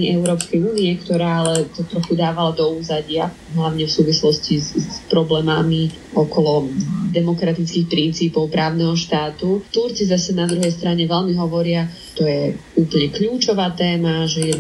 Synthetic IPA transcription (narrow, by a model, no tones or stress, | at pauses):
iɛʊɾɔːpskɛjuːniɛkt̪ɔɾaːalɛt̪ɔt̪ɾɔxud̪aːʋalad̪ɔuːzaɟɪa | ɦlaʊɲɛfsuːʋislɔscizpɾɔblɛːmami | ɔkɔlɔd̪ɛmɔkɾat̪it͡skixpɾint͡siːpɔʊpɾaːʊnɛɦɔʃt̪aːt̪ut̪uɾt͡sizasɛnad̪ɾuɦɛjst̪ɾaɲɛʋɛʎmiɦɔʋɔɾɪa | t̪ɔjɛuːpl̩ɲɛkʎuːt͡ʃɔʋaːt̪ɛːmaʒɛjɛ